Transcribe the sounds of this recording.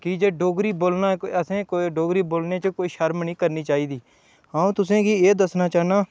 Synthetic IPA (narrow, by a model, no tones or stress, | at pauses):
kɪd͡ʒeːɖoːɡɾiːboːlnaːəsẽːkoɖoːɡɾiːboːlneːt͡ʃəkoːiːʃəɾmniːkəɾniːt͡ʃaːiːd̪iː | ɦãːũːt̪ʊsẽːɡiːeːd̪əsnaːt͡ʃaːnaː